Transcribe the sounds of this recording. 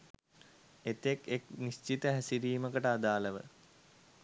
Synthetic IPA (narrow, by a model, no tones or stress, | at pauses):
et̪ekeknist͡ʃit̪əɦæsiɾiːməkəʈəad̪aːləʋə̰